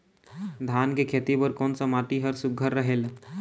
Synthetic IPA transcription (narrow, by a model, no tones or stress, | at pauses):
d̪ʱankekʰet̪ibəɾkonsamaʈiɦəɾsuɡʱəɾːəɦel